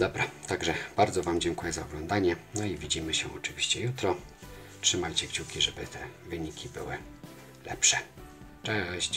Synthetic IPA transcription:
d̪ɔbɾat̪aɡʐɛb̥aɾd̪zɔvamd͡ʑɛŋkujɛzaɔɡlɔnd̪aɲɛnɔivʲid͡ʑimɘɕɛɔ̰t͡ʂɘvʲiɕt͡ɕɛjut̪ɾɔ | tʂɘmajt͡ɕɛkt͡ɕukʲiʐɛbɘ̰t̪ɛvɘɲikʲibɘwɘ | lɛ̰pʂɛ | t͡ʂɛɕt͡ɕ

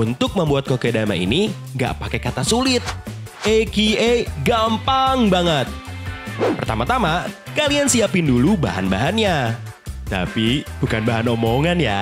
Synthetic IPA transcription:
unt̪ʊk̚məmbuat̪̚kokedama̰ḭni | ŋɡa̰ʔpakekat̪asulɪt̪̚ | ekieɡampaŋbaŋət̪̚ | pərt̪amat̪amakaliansiapɪnduluba̰ɦa̰nbaɦanɲa | t̪a̰pib̥ukanbaɦanomoŋanja̰

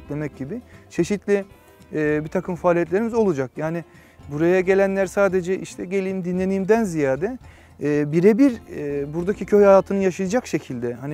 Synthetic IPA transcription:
t̪lʲe̞mɛc̚ɟibit͡ʃʰe̞ʃit̪lʲɪ | ɛːbit̪ʰakʰɯmfaːlʲijɛt̪lʲe̞ɾimizo̞lˠud͡ʒakjaːni | buɾajaɟe̞lʲænlʲæɾsaːd̪e̞d͡ʒɛʔiʃt̪ʰɛɟe̞lʲiːmd̪inlʲe̞niːmd̪ænzijaːd̪ɛː | biɾebiɾbuɾd̪acʰicʰøjhajaːt̪ʰɯnɯjaʃɯjad͡ʒakʃe̞cʰilʲd̪ɛhan

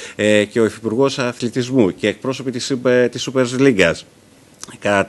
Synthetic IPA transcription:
ece̞o̞efipuɾɣo̞sɐθlit̪izmuce̞ːk̚pɾo̞so̞pit̪ist̪isupe̞ɾsliŋɡɐs | kɐ

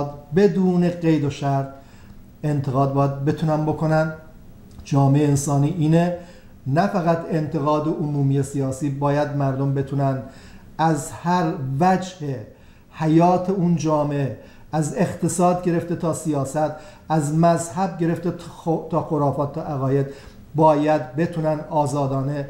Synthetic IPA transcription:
d̪be̞d̪uːne̞ɢe̞jd̪oʃæɾd̪ | e̞nt̪ʰe̞ɣɒːd̪̚bɒːjæd̪̚be̞t̪ʰunænbo̞kʰo̞næn | d͡ʒɒːmeeensɒːniːʔiːne | næfæɣæt̪ʰe̞nt̪ʰe̞ɣɒːd̪eʔomuːmijesijɒːsiːbɒːjæd̪mæɾd̪ombe̞t̪ʰunæn | æzhæɾvæd͡ʒhe | hæjɒːt̪ʰe̞und͡ʒɒːmee | æzext̪ʰe̞sɒːd̪ɟe̞ɾe̞ft̪e̞t̪ʰɒːsijɒːsæt̪ʰ | æzmæzhæbɟe̞ɾeft̪et̪ʰɒːxoɾɒːfɒːt̪ʰːɒːʔæɣɒːjed̪ | bɒːjæd̪be̞t̪ʰunænɒːzɒːd̪ɒːne̞

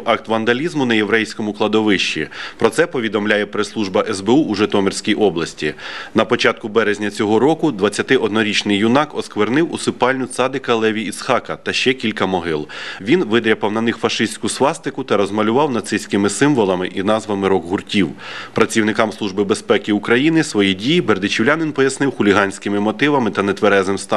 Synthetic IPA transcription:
ɑkt̪ʋɐnd̪ɐlʲizmʊnɐjeʋɾɛjsʲkɔmʊklˠɐd̪ɔʋɪʃt͡ʃḭpɾɔt̪sɛpɔʋʲid̪ɔmlʲajɛpɾeslˠuʒbɐʔɛzbeuʔːʒɪt̪ɔmerʲsʲkʲijʔɔblˠɐsʲtʲinɐpɔt͡ʃɑt̪̚kʊbɛɾezʲnʲɐt͡sʲɔɦɔɾɔkʊd̪ʋɐt͡sʲːɐt̪ɪʔɔd̪nɔɾʲit͡ʃnɪjːʊnɑkɔskʋernɪwʊsɪpɑlʲnʲʊt̪sɑd̪ɪkɐlˠɛʋʲiit̪sxɑkɐt̪ɐʃt͡ʃɛkʲilʲkɐmɔɦɪlˠʋʲinʋɪd̪ɾʲɐpɐwnɐnɪxfɐʃɪsʲkʊslˠɑst̪ɪkʊt̪ɐɾɔzmɐlʲʊʋɑwnɐt̪sɪsʲkɪmɪsɪmʋɔlˠɐmɪʔinɑzʋɐmɪɾɔɡɦʊrtʲiwpɾɐt͡sʲiwnɪkɑmslˠuʒbɪbespɛkɪʊkɾɐjinɪsʋɔjidʲijiberd̪ɪt͡ʃʲiwlʲanɪnpɔjɐsnɪwxʊlʲiɦɑnʲsʲkɪmɪmɔt̪ɪʋɐmɪt̪ɐnet̪ʋeɾɛzɪmst̪ɑ

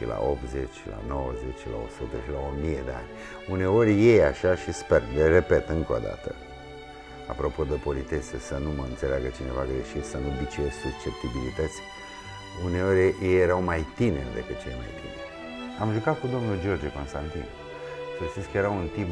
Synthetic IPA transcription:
ʃḭla̰opt̪ze̞t͡ʃʲːla̰no̞wəzet͡ʃla̰o̞̰sut̪əʃilaomijed̪e̞a̰nʲ | une̞o̞rʲje̞jaʃaʃisperlere̞pe̞t̪ɨŋko̞̰d̪a̰t̪ə | a̰pɾo̞po̞d̪epo̞lit̪e̞sesənuməɨnt̪se̞leaɡət͡ʃine̞vaɡɾeʃit̪sənubit͡ʃiessuk̚t͡ʃep̚t̪ibilit̪ət̪sʲ | une̞o̞ɾʲjejeɾawmajt̪inerʲd̪e̞kɨt̪̚t͡ʃelma̰jt̪ḭneɾʲ | amʒukat̪̚kud̪o̞mnuld͡ʒio̞rd͡ʒeko̞nst̪ant̪ḭn | ʃesinskəje̞ɾaunt̪ip

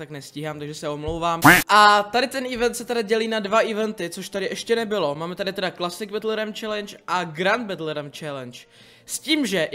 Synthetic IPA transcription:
aknɛsciːɦaːmt̪aɡʒɛsɛo̞mlowvaːmʔat̪adɪt̪ɛnʔɪvɛnt̪sɛt̪ɛdaɟɛliːnadvaʔɪvɛnt̪ɪt͡so̞ʃt̪adɪʔɛʃcɛnɛbɪlo̞maːmɛt̪adɪt̪ɛdaklasɪɡ̚bɛt̪lɾɛmt͡ʃɛlɛnt͡ʃʔaɡɾand̪̚bɛt̪lɛɾɛmt͡ʃɛlɛnt͡ʃ | sciːmʒɛ

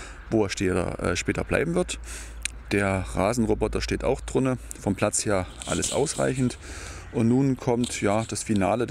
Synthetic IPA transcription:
voːeːɐʃtɛ̰ːʔɛ̰ːʃpɛːtɐ̰bla̰ɪbm̩vɪɐt | d̥eːɐʁaːzn̩ʁobɔtɐʃteːta̰ʊxd̥ʁɪnə | fɔmpl̥at͡sheːɐ | ʔa̰ləsʔa̰ʊsʁ̥a̰ɪçn̩t | ʔʊntnuːnkʰɔmtjaːd̥asfinaːlə

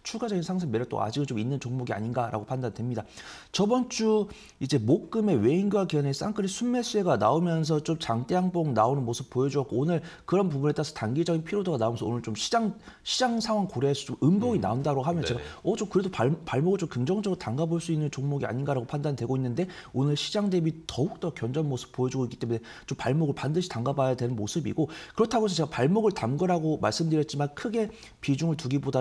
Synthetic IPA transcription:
t͡ɕʰuɡad͡ʑʌɡinsʰaŋsʰeŋmeɾt͈o̰ʔa̰d͡ʑiɡɯnt͡ɕominːɯnt͡ɕoŋmoɡia̰ɲinɡaɾʔa̰ɡopʰandandwemɲida | t͡ɕʌbʌnt͡ɕ͈u | id͡ʑe̞mok̚k͈ɯme̞we̞iŋɡuwakiʌnes͈a̰ŋk͈ʰɯɾisʰumːe̞s͈ueɡanaomjʌns̬ʰʌt͡ɕomt͡ɕaŋt͈eaŋboŋnaonɯnmosʰɯp̚p͈ːojʌd͡ʑuʌk͈oːnɯɭkɯɾʌnp̬ubune̞t͈aɾasʰʌtaŋɡid͡ʑʌɡinpʰiɾodoɡanaomjʌnsʰʌo̰nɯɭt͡ɕomɕʰi̥d͡ʑaŋɕʰid͡ʑaŋsʰaŋwaŋkoɾeas͈ʰʌt͡ɕ͈omɯmboɡina̰ondaɾoɡɦamjʌnt͡ɕe̞ɡaʌt͡ɕomkɯɾe̞doppaɭmoɡɯɭt͡ɕomkɯŋd͡ʑʌŋd͡ʑʌɡɯɾotaŋɡaboɭs͈uinːɯnt͡ɕoŋmoɡia̰ɲinɡaɾaɡopʰandanidwe̞ɡoinːɯnde̞onɯɭɕʰid͡ʑaŋde̞bitʌuk̚t͈ʌk͈jʌnd͡ʑʌnmosʰɯ̥p̚p͈ojʌd͡ʑuɡoik͈i̥t͈e̞mune̞ | t͡ɕompaɭmoɡɯɭpandɯɕʰi̥taŋɡabajadwe̞nɯnmosʰɯbḭɡokɯɾʌtʰaɡoesʰʌt͡ɕe̞ɡapaɭmoɡɯɭtamɡɯɾɦaɡomaɭs͈ɯmdɯɾjʌt̚t͡ɕ͈imankʰɯɡe̞ | pid͡ʑuŋɯɭtuɡiboda

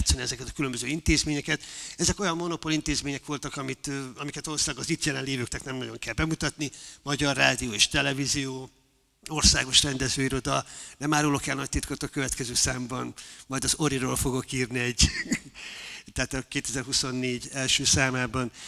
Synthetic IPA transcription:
t̪sɛniɛzɛkɛt̪ɒ̥kylømbøzøːint̪eːzmeːɲɛkɛt̪ɛzɛko̞jɒmːo̞no̞po̞lint̪eːzmeːɲɛkʋo̞lt̪ɒkɒmit̪ɒmikɛt̪o̞loslɒɡɒzit̪jɛlɛnleːvøːkt̪ɛknɛmnɒɟo̞ŋkɛlbɛmut̪ɒt̪nimɒɟɒrːaːd̪ijoːeːʃt̪ɛlɛvizijoː | o̞rsaːɡo̞ʃrɛnd̪ɛzøːiɾo̞d̪ɒnɛmaːɾulo̞kɛlnɒc̚t̪it̪kot̪okøvɛt̪kɛzøːsaːmbɒnmɒjd̪ɒzo̞ɾiɾoːlfo̞ɡo̞kiːrniɛɟ | t̪ɛaːt̪ɒkeːt̪ɛzɛrɦuso̞nːeːɟɛlʃøːsaːmaːbɒn

